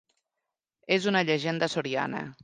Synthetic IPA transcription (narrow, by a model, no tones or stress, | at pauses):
ezunəʎəʒend̪əsoɾia̰nə̰